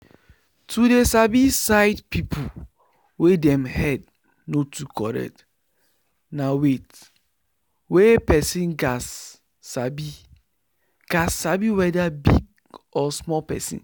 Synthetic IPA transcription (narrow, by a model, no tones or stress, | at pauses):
tʰudesabisaɪdpipʰu | wedɛmhɛd̚ | notukʰɔɾɛ̰t | nawet | wepɛsĩnɡasː | abi | ɡ̥asːabiwɛdabḭɡ | ɔsmɔpɛ̰sḭ̃n